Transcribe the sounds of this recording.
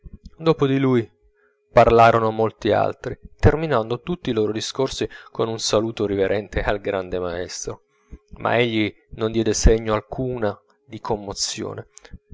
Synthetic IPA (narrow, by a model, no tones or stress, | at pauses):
d̪oːpod̪iluj | parlaːɾonomolt̪ia̰lt̪ɾit̪erminand̪ot̪ut̪ːiloːɾod̪iskorsikonunsaluːt̪oɾiveɾʔɛnt̪ealɡɾand̪emaɛst̪ɾo | mʔa̰eʎːi | nond̪jɛːd̪eseɲːoalkʰuːna | d̪ikʰomːot̪sːjo̰ːne